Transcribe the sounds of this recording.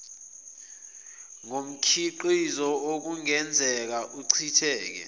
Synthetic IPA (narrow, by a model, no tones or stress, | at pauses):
ŋom̩kʰiǃizɔok̬uŋɛnd͡zʱɛk̬aʔuǀʰitʰɛːk̬ɛ̰